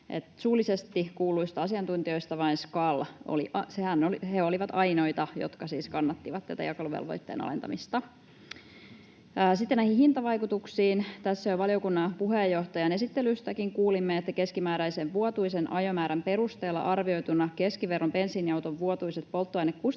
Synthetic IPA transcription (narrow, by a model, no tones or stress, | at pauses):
ḛt̪suːlisest̪ikuːluist̪ɑɑsiɑnt̪unt̪io̞jst̪ɑʋɑinskɑlo̰liɑsehænoheoliʋɑt̪ɑjno̞jt̪ɑjo̰t̪kɑsiːskɑnːɑt̪ːiʋɑt̪næ̰t̪æ̰jɑkɑluʋḛlʋo̰jt̪ːḛːnɑ̰lḛnt̪ɑ̰mist̪ɑ | sit̪ːenæjhĩhint̪ɑʋɑjkut̪uksiːnt̪æsːæoʋʋɑlijo̞kunːɑpuɦejːo̞ht̪ɑjɑne̞sit̪ːelyst̪ækiŋkuːlimːeet̪ːæke̞skimæːɾæjseʋʋuot̪uisenʔɑjo̞mæːɾæmpe̞ɾust̪e̞ːlːɑ̰ʔɑrʋio̞jt̪unɑke̞skiʋe̞rːompe̞nsinjɑwt̪oʋʋuot̪uiset̪̚po̞lˠt̪ːuɑinekkus